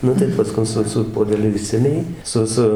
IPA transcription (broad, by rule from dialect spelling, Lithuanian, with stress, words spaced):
ˈnʊ tɐɪ pɐˈskʊn ˈsʊ sʊ puɔdʲɛˈlʲʊ ˈɪʃʲsʲɛmʲɛ jiː ˈsʊ ˈsʊ